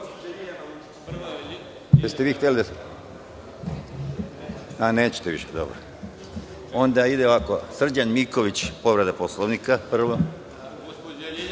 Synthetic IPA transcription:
jest̪eʋiːxt̪elid̪a | aneːt͡ɕe̥t̪eʋḭʃed̪o̰bɾo̰ | o̞nd̪aid̪eoʋakosr̩d͡ʑanmikoʋit͡ɕpo̞ʋɾed̪aposlˠoʋnikapr̩ʋo

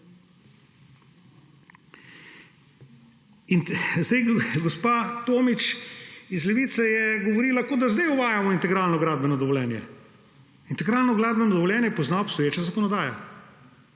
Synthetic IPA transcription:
inzd̪ɛjɡospat̪oːmit͡ʃizlɛʋiːt̪sɛjɛɡoʋoɾiːlakoːd̪azd̪ajuʋaːjamɔint̪ɛɡɾaːlnɔɡɾaːd̪̚bɛnɔd̪ɔʋolʲjɛːnjɛ̰ | int̪ɛɡɾaːlnɔɡɾaːd̪bɛnɔd̪ɔʋɔljɛːnjɛjɛpoznaopst̪ɔjeːt͡ʃazakɔnɔd̪aːja

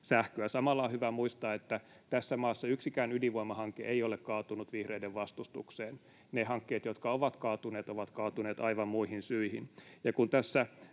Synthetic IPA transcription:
sæhkøæsɑmɑlːɑːhyʋæmuist̪ɑːet̪ːæ | t̪æsːæmɑːsːɑyksikæːnyliʋoimɑhɑŋkeʔeiolekkɑːt̪unut̪ʋihreideʋʋɑst̪ust̪ṵkseːn | nehɑŋkːeːt̪jot̪kɑoʋɑt̪kɑːt̪uneːt̪oʋɑt̪kɑːt̪uneːt̪ɑiʋɑmmuihinsyihinjɑkunt̪æsːæ

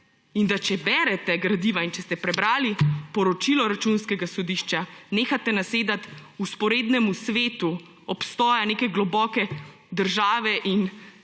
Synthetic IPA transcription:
ind̪at͡ʃɛbɛɾɛt̪ɛɡɾad̪iːʋaint͡ʃɛst̪ɛpɾɛbɾaːlipɔɾɔt͡ʃilɔɾat͡ʃunskɛɡasɔd̪iʃt͡ʃaneːxat̪ɛnaseːd̪at̪uspɔɾeːd̪nɛmusʋeːt̪u | ɔpst̪ɔːjaneːkɛɡlɔbɔkɛ | d̪əɾʒaːʋɛʔin

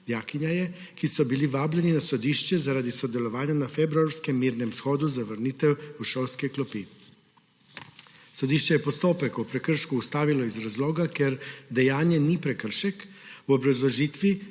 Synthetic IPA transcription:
d̪jaːkiɲajɛ | kisɔbiliʋaːblɛninasod̪iːʃt͡ʃɛzaɾad̪isɔd̪ɛlɔʋaːɲanafebɾuaɾskɛmːiːɾnɛmsxoːd̪uzaʋəɾnit̪ɛwuʃowskɛklɔpi | sod̪iːʃt͡ʃɛjɛpost̪oːpɛkupɾɛkr̩ʃkuːst̪aːʋilɔizɾazloːɡakɛɾd̪ɛjaːnjɛnipɾɛkəɾ̩ʃɛk | wobɾazlɔʒiːt̪ʋi

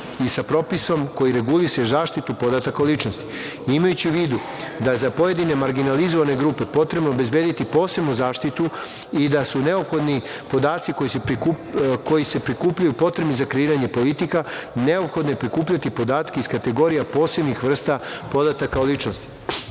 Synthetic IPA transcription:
isapɾo̞piso̞mko̞jiɾe̞ɡulisezaːʃt̪it̪upo̞d̪at̪akalit͡ʃnost̪i̥ | imajut͡ɕiuʋiːd̪u | d̪ajezapo̞je̞d̪ine̞maɾɡinalizo̞ʋane̞ɡɾuːpe̞po̞t̪ɾe̞bno̞obe̞zbe̞ːd̪it̪ipo̞ːse̞bnuzaːʃt̪it̪u | id̪asune̞o̞pxo̞d̪ni | po̞d̪aːt̪siko̞jisepu | ko̞jise̞pɾikuːpʎajupo̞t̪ɾebnizakɾe̞iːɾaɲe̞po̞lit̪ikane̞o̞pxo̞d̪nepɾikuːpʎat̪ipo̞d̪aːt̪keiskat̪e̞ɡo̞ɾijapo̞ːse̞bnixʋr̩st̪apo̞d̪at̪akaolit͡ʃno̞st̪i̥

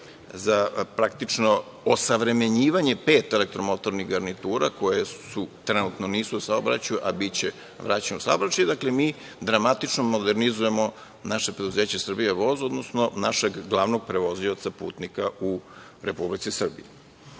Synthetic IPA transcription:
zapɾak̚t̪it͡ʃno | osaʋɾe̞me̞ɲiːʋaɲe̞pe̞ːt̪ele̞k̚t̪ɾomo̞t̪o̞ɾniɣɡaɾnit̪uːɾako̞jesut̪ɾenut̪noniːsuusaobɾat͡ɕajuʔabit͡ɕe | ʋɾaːt͡ɕenousaobɾat͡ɕajed̪aklemiː | d̪ɾamat̪it͡ʃnomod̪eɾnizuje̞mo̞ | naʃepɾe̞d̪uze̞ːt͡ɕesr̩bijeʋo̞zod̪nosnonaʃeɡɡlˠaʋno̞ɡ̚pɾe̞ʋo̞ziot̪sapṵːt̪nikau | ɾepublit̪sisr̩bḭje

